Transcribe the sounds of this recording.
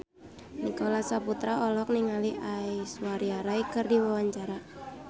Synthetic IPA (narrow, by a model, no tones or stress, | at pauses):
nikolasaput̪ɾaɔlɔk̚niŋaliʔaiswaɾiaɾajkɨrdiwawaɲt͡ʃaɾa